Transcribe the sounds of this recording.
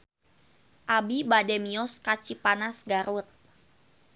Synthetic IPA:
ʔabibadɛmiɔskat͡ʃipanasɡaɾut̪̚

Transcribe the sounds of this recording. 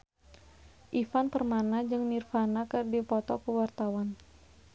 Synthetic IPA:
ʔifanpərmanad͡ʒɨŋnirfanakərdipɔt̪ɔkəwart̪awan

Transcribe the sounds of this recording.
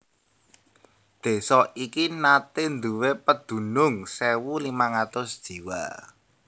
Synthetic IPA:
d̪̥e̤sɔikinat̪ɪnd̪uwepəd̪̥ṳnʊŋsewulimaŋat̪ʊsd̥ʒ̥i̤wa̰

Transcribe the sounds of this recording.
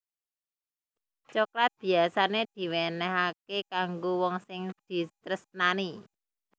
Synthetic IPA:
t͡ʃɔkɾat̪̚b̥i̤asaned̪̥i̤wenɛɦakekaŋɡowɔŋsɪŋd̪̥i̤t̪ɾəsnani

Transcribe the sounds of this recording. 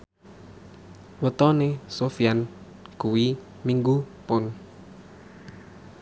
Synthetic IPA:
wət̪ɔnesofian | kuwi | miŋɡupʊn

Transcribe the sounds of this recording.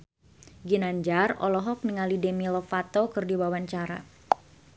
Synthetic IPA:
ɡinaɲd͡ʒarɔ̰lɔɦɔk̚niŋalidemilɔfat̪okɨrdiwawaɲt͡ʃaɾa̰

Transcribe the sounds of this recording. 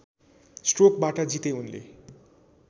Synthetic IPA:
sʈrok̚baʈʌd͡zit̪eunlḛ

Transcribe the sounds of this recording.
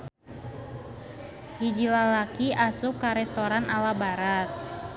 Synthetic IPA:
hid͡ʒilalakiʔasʊkːaɾɛst̪oɾanalabaɾat̪̚

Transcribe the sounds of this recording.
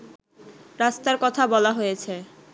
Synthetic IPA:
ɾast̪aɾkɔt̪ʰabɔlaɦojet͡ɕʰe

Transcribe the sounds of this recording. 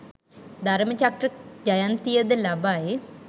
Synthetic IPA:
d̪ʱaɾmət͡ʃak̚ʈrəd͡ʒajant̪ijəd̪əlabaje

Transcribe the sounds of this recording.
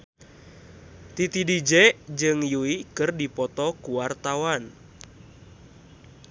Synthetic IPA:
t̪it̪idid͡ʒɛʔd͡ʒɨŋjuikɨrdipɔt̪ɔkuwart̪awan

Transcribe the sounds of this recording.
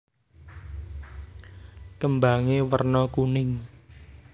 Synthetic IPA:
kəmbaŋewərnɔkunɪŋ

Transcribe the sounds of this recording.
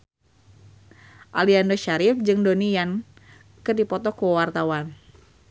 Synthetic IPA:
ʔaliandoʃaɾɪfd͡ʒɨŋdonijan | kɨrdipɔt̪ɔkuwart̪awan

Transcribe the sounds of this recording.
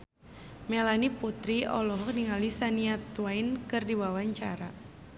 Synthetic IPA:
melaniput̪ɾiɔ̰lɔɦɔk̚niŋalisaniat̪waɪnkɨrdiwawaɲt͡ʃaɾa

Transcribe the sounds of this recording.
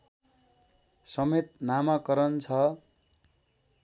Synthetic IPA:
sʌmet̪̚namʌkʌɾʌnt͡sʰʌ

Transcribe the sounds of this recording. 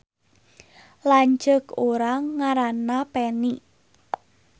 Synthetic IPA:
laɲd͡ʒəkoɾaŋaɾanapɛni

